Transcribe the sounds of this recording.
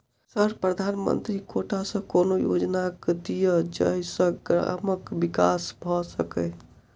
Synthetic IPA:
səɾpɾəd̪ʱanmə̰nt̪ɾikoʈʰasə̃konojo̰d͡ʒnaked̪ijəd͡ʒə̰isə̃ɡɾa̰məkbikasbʱɔsəkɛ

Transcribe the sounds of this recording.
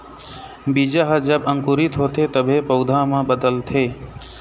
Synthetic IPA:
biːd͡ʒaɦəd͡ʒəbə̃ŋkuɾit̪ɦoːt̪ʰeːt̪əbʱepəʊd̪ʱãːmãːbəd̪əlt̪ʰeː

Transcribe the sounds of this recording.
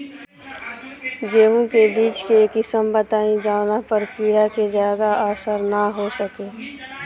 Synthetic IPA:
ɡeːʋũkebiːt͡ʃkekɪsəmbət̪aːĩd͡ʒaːnapəɾkiːɽakezjaːd̪aaːsəɾnaɦosəkeː

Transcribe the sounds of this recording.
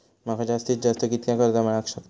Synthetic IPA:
makʰad͡ʑast̪it̪̚d͡ʑast̪əkit̪kjãkəɾd̪aməɭakɕɔk̪

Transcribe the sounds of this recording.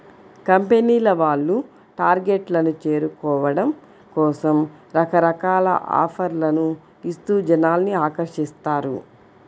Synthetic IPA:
kɐmpeniːlɐʋaːɭːu | ʈaːɾɡeʈlɐnut͡ʃe̞ːɾukɔːʋɐɽɐm | kɔːsɐmɾɐkɐɾɐkaːlɐ̰ʔa̰ːpʰɐɾlɐnu | ist̪uːd͡ʒɐnaːlniaːkɐɾʂist̪aːɾṵ

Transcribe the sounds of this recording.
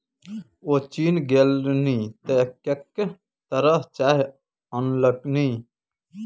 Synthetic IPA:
oːt͡ʃiːnɡelnĩːt̪ekek | t̪əɾəɦt͡ʃaːɦ | ənləknĩː

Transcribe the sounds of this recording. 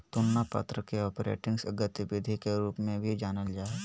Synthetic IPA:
t̪ʊnːapa̰ːt̪ɾəkeɔːpɾḛːʈɪ̃ŋɡsəɡət̪ɪbɪd̪ʱikeɾuːpmẽbʱid͡ʒaːnəld͡ʒaːe

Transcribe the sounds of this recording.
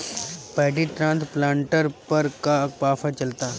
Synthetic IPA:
pɛːɖiʈɾãːnt̪plãːɳʈəɾpɐɾkapaːfʰat͡ʃɐlt̪aː

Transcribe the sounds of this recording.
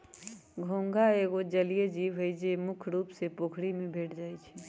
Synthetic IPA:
ɡʱoːŋɡʱaeːɡod͡ʒəlijed͡ʒiːʋɦəjd͡ʒemʊkʰɾuːpsepoːkʰɽimẽbʱeːʈʰd͡ʒaːit͡ʃʰɛ

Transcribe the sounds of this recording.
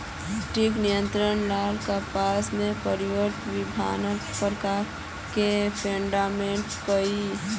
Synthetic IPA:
ʈiknijə̃nt̪ɾənlaːlkapaːsmẽpəɾiʋəɾt̪ʋɪb̪ʱa̰ːnəpɾəkaɾ | kepʰẽɳɖaːmẽːɳʈkəi

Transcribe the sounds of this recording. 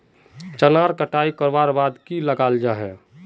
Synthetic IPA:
t͡ʃənaːɾkəʈaːikəɾbaːɾbaːd̪kiləɡaːld͡ʒaɦɛː

